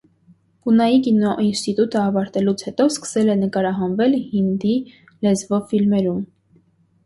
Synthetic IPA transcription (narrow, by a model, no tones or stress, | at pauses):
kunɑjikinɔʔinst̪it̪ut̪əɑvɑɾt̪ɛlut͡sʰhɛt̪ɔskə̥sɛlɛnəkɑɾɑɦɑnvɛlhind̪i | lɛzvɔfilmɛɾum